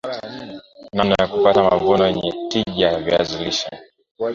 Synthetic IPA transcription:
nanajakupatamavɔnɔjɛɲɛtiʄavjaziliʃa

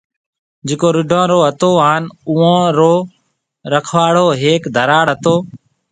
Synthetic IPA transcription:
d͡ʒɪːkoːɾɪɖʱãːɾoːɦət̪oːaːnuːãːɾoː | ɾəkʰʋaːɽ̤oːɦeːkd̪ʱəɾaːɽɦət̪oː

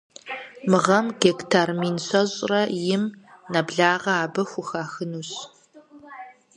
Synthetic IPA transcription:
mɨʁɐmɡektʰaːrmiːnɕɐɕʼrɐjɪmnɐbɮaːʁɐaːbɐxʷʊxaːxɨnuːɕ

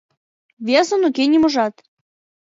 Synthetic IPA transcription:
βʲesə̆nukenʲimŏʒɑt̪

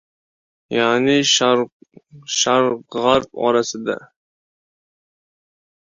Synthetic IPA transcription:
janɪʃ | ʃaɾʁaɾpɒ̰ɾasɪd̪a̰

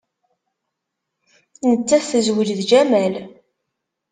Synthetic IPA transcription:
nət͡sːæθəzwəlðd͡ʒæmæl

